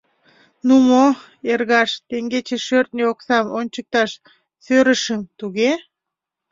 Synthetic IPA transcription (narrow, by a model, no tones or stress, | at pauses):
numo | erɣɑʃt̪eŋɡet͡ɕeʃørt̪̚nʲeoksɑmonʲt͡ɕək̚t̪ɑʃ | søɾəʃəmt̪uɣe